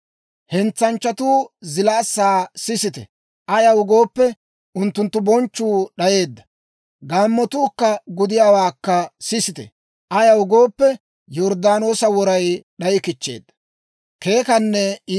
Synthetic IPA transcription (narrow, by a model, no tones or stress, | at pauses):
hɛnt͡sːɐnt͡ʃːɐt̪uːzɪlaːsːaːsɪsɪt̪ɛ̰ | ʔɐjɐwʊɡo̞ːpːɛ | ʔʊnt̪ːʊnt̪ːʊbɔnt͡ʃːuːɗɐje̞ːd̪ːɐ̥ | ɡaːmːɔt̪uːkːɐɡʊd̪ɪjaːwaːkːɐsɪsɪt̪ɛ̰ | ʔɐjɐwʊɡo̞ːpːɛ | jɔɾd̪aːno̞ːsɐwɔɾɐjɗɐjɪkɪt͡ʃːe̞̰ːd̪ːɐ̥ | ke̞ːkɐnːɛ